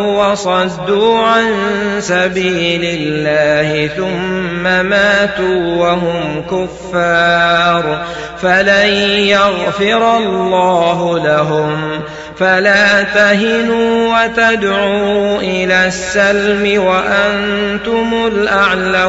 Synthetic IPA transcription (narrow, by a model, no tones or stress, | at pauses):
wɑsˤɑd̪ːuːʕansabiːlɪlːaːhɪθʊmːamaːt̪uːwaɦʊmkʊfːɑːɾˤ | falanjaɣfɪɾɑlːɑːɦʊlaɦʊm | falaːt̪aɦɪnuːwat̪ad̪ʕuːʔɪlaːsːalmɪwaʔan | t̪ʊmʊlʔaʕla